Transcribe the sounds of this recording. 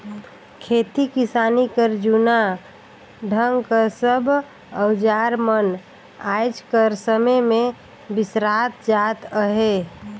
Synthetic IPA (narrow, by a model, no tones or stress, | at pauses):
kʰeːt̪ikɪsaːnikəɾd͡ʒuna | ɖʱəŋɡkəsəbʱ | əwd͡ʒaɾmən | ajd͡ʒkəɾsəməmẽ | bɪsɾat̪d͡ʒat̪əɦe